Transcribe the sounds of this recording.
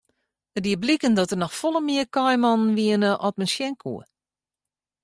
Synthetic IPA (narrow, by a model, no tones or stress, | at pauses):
ədiəblikəndɔtənɔxfɔlˠəmiəkɔjmɔnn̩ʋiənəʔɔtmənsjɛŋkʰṵə